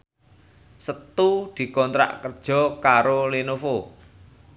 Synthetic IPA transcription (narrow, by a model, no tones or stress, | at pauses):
sət̪ud̪̥i̤kɔnt̪ɾa̰ʔkərd̥ʒ̥ɔ̤kaɾolinofo